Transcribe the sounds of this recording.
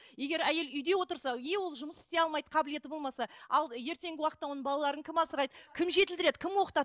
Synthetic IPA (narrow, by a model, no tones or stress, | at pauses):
je̞ɡʲe̞ɾæje̞lʏjd̪e̞wo̞t̪əɾsɑjewo̞lˠʒʊməsɪst̪e̞ɑlˠmɑjd̪əqʰɑbɪle̞t̪ɪbo̞lˠmɑsɑɑlˠje̞ɾt̪e̞ŋɡʲɪwɑqət̪ːɑwo̞nəɴbɑlˠɑlˠɑɾəŋkʲɪmɑsəɾɑjd̪əkʲʰɪmʒe̞t̪ɪld̪ɪɾe̞d̪ɪkʲʰɪmwo̞qə̥t̪ɑ